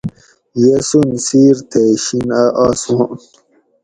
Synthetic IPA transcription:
jesunsiːɾt̪ʰeɕinaʔaːsũn

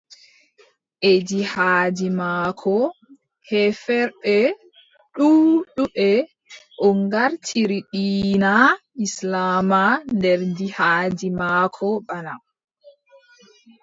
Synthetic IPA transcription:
ʔed͡ʒihaːd͡ʒimaːkʰɔ | hɛfɛɾɓɛ | ɗuːɗuɓɛ | ʔɔŋɡaɾtʰiɾiɗiːnaʔislaːmandɛɾdihaːd͡ʒimaːkʰɔɓana

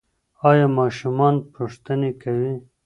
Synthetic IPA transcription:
ɑːjɑːmɑːʃumɑnpuʂt̪ənekawi

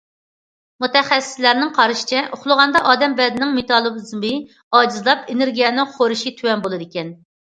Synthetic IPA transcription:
mut̪ɛχɛsːɪ̥slæɾnɪŋqʰɑɾɨʃi̥t͡ʃʰɛʔoχlˠʊʁɑnd̪ɑʔɑːd̪ɛmbɛd̪ɪnɪŋmet̪ʰɑlˠɨbɨzmɨ | ɑːd͡ʒizlˠɑpenɪɾɡʲijɛnɪŋχoɾuʃit̪ʰywɛnbolˠɨd̪ɪkʲɛn

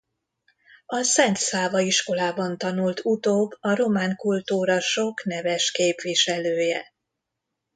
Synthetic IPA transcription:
ɒsɛnt̪saːvɒiʃko̞laːbɒnt̪ɒnult̪ʰut̪oːbːɒɾo̞maːŋkult̪uːɾɒʃo̞knɛvɛʃkeːpʋiʃɛløːjɛ̰

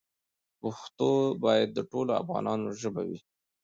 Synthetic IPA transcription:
pʊxt̪obɑjad̪ːəʈoloa̰fɣɑ̰nɑnoʒəba̰wi

